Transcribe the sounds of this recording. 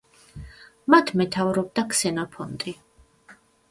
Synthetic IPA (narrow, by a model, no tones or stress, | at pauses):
mat̪ʰmɛt̪ʰavɾɔb̚d̪akʰsɛnɔpʰɔnt̪ʼi